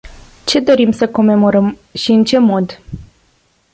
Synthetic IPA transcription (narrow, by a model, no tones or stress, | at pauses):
t͡ʃe̞d̪o̞ɾimsəko̞me̞mo̞ɾəm | ʃiɨnt͡ʃe̞mo̞d̪